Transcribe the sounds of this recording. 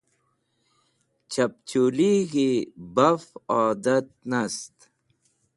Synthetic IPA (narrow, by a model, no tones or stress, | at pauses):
t͡ɕɐp̚t͡ɕuliɣibɐfaːd̪ɐt̪̚nɐst̪